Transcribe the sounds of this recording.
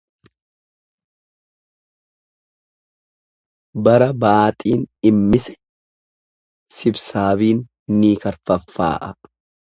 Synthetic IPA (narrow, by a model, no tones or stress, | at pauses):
bɐɾɐbaːt̪ʼiːnɪmːɪsɛ̥ | sɪbsaːbiːnː | iːkɐɾfɐfːa̰ːʔɐ